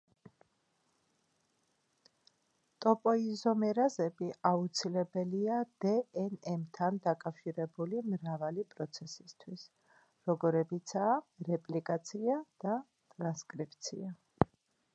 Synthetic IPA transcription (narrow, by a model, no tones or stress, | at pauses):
t̪ʼɔpʼɔizɔmɛɾazɛbiʔaut̪sʰilɛbɛliad̪ɛɛnɛmt̪ʰand̪akʼafʃiɾɛbulimɾavalipʼɾɔt̪sʰɛsist̪ʰwis | ɾɔɡɔɾɛbit̪sʰaːɾɛpʼlikʼat̪sʰiad̪̥a | t̪ʼɾanskʼɾip̚ʼt̪sʰḭa